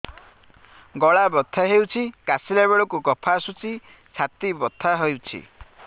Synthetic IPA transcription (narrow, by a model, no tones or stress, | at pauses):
ɡɔɭabɔt̪ʰːaɦewt͡ʃʰikasilabeɭɔkukɔpʰasut͡ʃi | t͡ʃʰat̪ibɔt̪ʰːaɦojwt͡ʃʰḭ